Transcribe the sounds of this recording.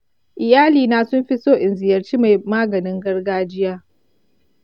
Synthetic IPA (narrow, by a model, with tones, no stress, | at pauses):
ʔɪ˨jaː˦liː˨na˨sʊ˦mɸi˦soː˦ʔɪ˨nzɪ˨jɐ˨rt͡ʃiː˦ma˨jmaː˦ɡɐ˨nɪ˦ŋɡɐ˦rɡaː˦d͡ʒɪ˦jaː˦